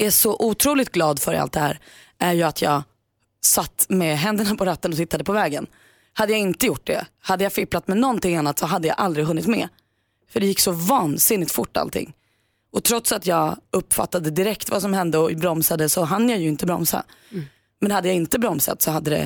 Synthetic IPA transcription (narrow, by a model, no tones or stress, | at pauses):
æʂɔʔuːt̪ʰɾuːlɪt̪̚ɡlɑːd̪fœɾa̰lt̪̚d̪ɛhæ̰ːɾ | ʔæɾjɵat̪ʰjɑːɡ | sat̪ːmɛɦɛnd̪əɳapʰɔɾat̪ːənɔt̪ɪt̪ːad̪əpʰɔvɛːɡən | had̪ːəjaɪnt̪əjʊʈ̚ːɖɛ̰had̪ːəjafɪplat̪mɛnɔnt̪ʰɪŋanːat̪sɔɦad̪ːəja̰ʔald̪ɾɪɡɦɵnːɪt̪mɛ̰ | fœɖɛjɪkːsɔvɑːnsɪnːɪt̪fʊʈːa̰lt̪ʰɪ̰ŋː | ɔt̪ʰɾɔt̪sat̪jɑːɡɵpːfa̰t̪ːad̪əd̪ɪɾɛkt̪vasɔmhɛnd̪əɔbɾɔmsad̪əsɔɦand̪ːjajɵɪnt̪əbɾɔ̰msa̰ | mɛnhad̪ːəjaɪnt̪əbɾɔmsa̰t̪sɔhad̪ːəd̪ɛ̰